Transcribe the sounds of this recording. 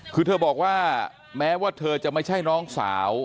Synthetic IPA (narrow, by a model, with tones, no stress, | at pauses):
kʰɯː˧t̪ʰɤː˧bɔː˨˩k̚waː˥˩ | mɛː˦˥waː˥˩t̪ʰɤː˧t͡ɕa˨˩ma˥˩jt͡ɕʰa˥˩jnɔː˦˥ŋsa̰ː˩˦w